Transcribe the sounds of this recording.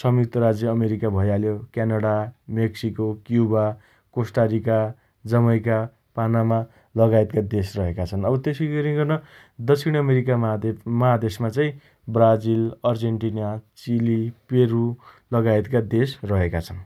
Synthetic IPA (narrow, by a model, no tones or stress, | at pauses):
sʌmit̪ʌɾad͡zjʌːmeɾikabʱʌjaljokjanaɽameksikokjuba | kosʈaɾika | d͡zʌmʌjka | panama | lʌɡajt̪̚kad̪esrʌɦekat͡sʰʌnʌbʌt̪esiɡʌɾĩɡʌrnʌ | d̪ʌt͡sʰiɽ̃ʌmeɾikamʌɦad̪esmat͡saĩ | brad͡zilʌrd͡zeɳʈinat͡silipeɾu | lʌɡajt̪kad̪esrʌɦekat͡sʰʌn